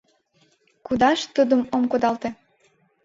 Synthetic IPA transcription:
kud̪ɑʃt̪ud̪əmomkod̪ɑlt̪ĕ

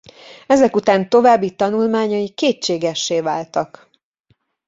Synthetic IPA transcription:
ɛzɛkut̪aːnt̪o̞vaːbːit̪ɒnulmaːɲɒikeːt͡ʃeːɡɛʃːeːvaːlt̪ɒk

